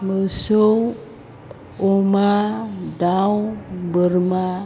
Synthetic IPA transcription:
məsow | omadawbəɾma

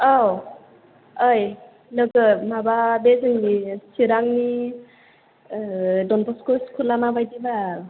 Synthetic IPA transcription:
aw | ɯj | lɯɡɯmababezɯŋdisiɾaŋni | dɔnbʰɔskoskʰulamabajdibaɾ

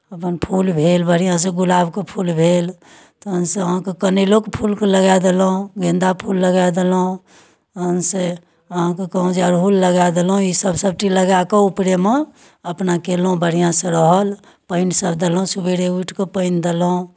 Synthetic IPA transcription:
əpənpʰulbʱelbəɽ̤ijãs̬ẽɡulabkepʰulbʱel | t̪ɔɦənsẽəɦãkekənelokpʰulkeləɡad̪elɦũɡẽnd̪apʰulːəɡajd̪elũ | ənse | əɦãkekəɦũd͡ʒeəɾɦulːəɡad̪elɦũisəbʱsəb̚ʈiləɡakeupɾeme | əpnakelũbəɽ̤ijãsẽɾəɦəl | pəɪnsəbd̪elũsubeɾeuʈʰkepəɪnd̪elɦũ

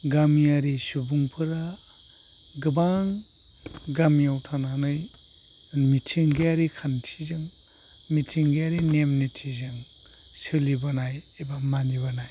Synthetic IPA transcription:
ɡamiaɾisubuŋpʰɯɾa | ɡɯbaŋ | ɡamijawtʰananɯj | mitʰiŋɡeaɾikʰantʰizɯŋ | mitʰiŋɡejaɾinemnitʰizɯŋ | sɯlibanajebamaniβanaj

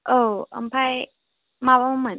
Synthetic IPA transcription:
ʔoə̰mpʰaj | mabamamə

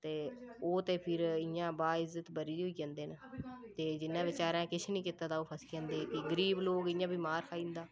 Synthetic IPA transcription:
t̪eːoːt̪eːpʰɪɾɪjãːbaːɪzət̪bəɾiːd̪iɦoiːd͡ʒãːnd̪eːnət̪eːd͡ʒɪnːãːʋɪt͡ʃaːɾãːkɪt͡ʃʰnĩːkɪt̪aːt̪aːoːpʰəskãːnd̪eːkɪɡəɾiːbloːkɪjãːbiːmaːɾkʰaːĩːnd̪aː

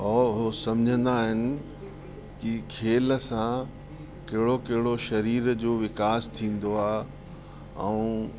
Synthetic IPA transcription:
ɔːʊɦosɐ̃m̤d͡ʑʱə̃nd̪aɦɪnɪ̆ | kikʰeːləsã | kɐɦɪɽokɐɦɪɽoʃɐɾiːɾd͡ʑoːʋɪkaːst̪ʰĩːn̆d̪oaː | ɛũː

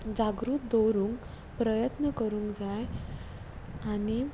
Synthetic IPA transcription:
d͡ʑaɡɾuːt̪̚d̪owɾuːŋk | pɾəjət̪nəkəɾũːŋkd͡zaj | ani

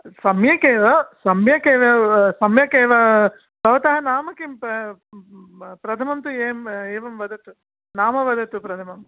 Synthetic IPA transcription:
sɐmjɐkeːʋɐsɐmjɐkeːʋɐsɐmjɐkeːʋɐ | bɐʋɐt̪ɐɦɐnaːmɐkimp | pɾɐt̪ʰɐmɐmt̪ueːmeːʋɐmʋɐd̪ɐt̪u | naːmɐʋɐd̪ɐt̪upɾɐt̪ʰɐmɐm

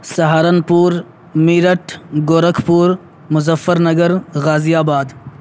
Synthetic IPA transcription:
sɐɦaːɾɐnpuːɾ | miːɾɐʈʰɡoːɾɐkʰpuːɾ | mʊzɐfɐɾnɐɡɐɾɣaːzijaːbaːd̪

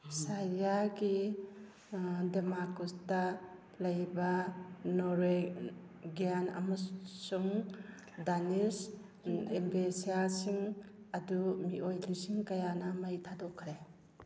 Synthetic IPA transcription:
sajaɡi | demakustɐ | lɐjbɐnɔɾe | ɡijanɐ̰mɐsuŋ | danis | embesijasiŋ | ɐdumiʔojlisiŋkɐjanɐmɐjtʰadɔkʰːɾe

